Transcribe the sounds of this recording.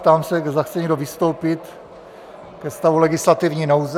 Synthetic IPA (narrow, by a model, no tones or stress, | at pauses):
t̪aːmsɛɡzaxt͡sɛɲɛɡdovɪst̪o̞wpɪt̪ | kɛst̪avulɛɡɪslat̪ivɲiːnowz